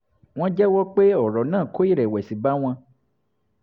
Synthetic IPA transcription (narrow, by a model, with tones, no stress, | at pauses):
w̃ɔ̃˦d͡ʒɛ˦wɔ˦k͡pe˦ɔ˨ɾɔ˨nãː˦˨ko˦i˦ɾɛ˨wɛ˨si˨ba˦w̃ã˧